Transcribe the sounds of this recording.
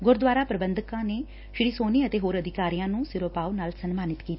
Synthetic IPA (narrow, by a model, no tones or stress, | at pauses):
ɡʊɾd̪ʋaːɾaːpɾəbənd̪əkãːneː | ʃɪɾiːsoːniːət̪eːɦoːɾəd̪ʱɪkaːɾijãːnũːsɪɾoːpaːonaːlsənmaːnɪt̪kiːt̪a